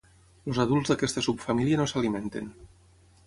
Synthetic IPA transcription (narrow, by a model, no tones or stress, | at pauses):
lozaðulˠzðakɛst̪əsupfamiliənosalimẽnt̪ḛn